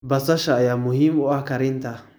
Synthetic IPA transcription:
basaʃajamuhimuakaɾint̪ʰa

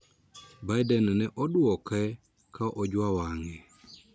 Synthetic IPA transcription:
bajdɛnnɛʔɔdwɔkɛ | kʰaʔɔd͡ʒwawaŋɛ

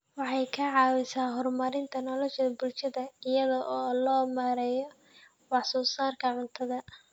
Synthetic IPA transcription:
wɑħɑjkʰɐʕɑːwɪsaːɦɔrmɐɾɪnt̪ʰɐnɔlɔʃɐbʊlʃɐðɐɪjɐðɔʔɔːlɔːmaːɾɛjɔ | wɑħsɔːsaːrkʰɐʕʊnt̪ʰɐðɐ

